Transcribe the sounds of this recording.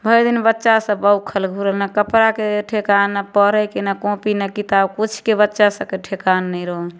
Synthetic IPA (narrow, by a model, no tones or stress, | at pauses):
bʱəjd̪inbətːʃasə̃bəwkʰəlɡʱuɾəlnakəpɾakeʈʰekanːapəɾəkenakõpinakit̪abkut͡ʃʰkebətːʃasə̃keʈʰekanːɛiɾɔɦ